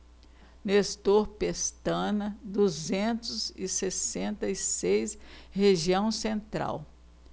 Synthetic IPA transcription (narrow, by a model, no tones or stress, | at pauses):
nest̪oɾpest̪ɐ̃nɐd̪uzẽnt̪ʊzɪsesẽnt̪ɐisejsheʒiɐ̃w̃sẽnt̪ɾa̰w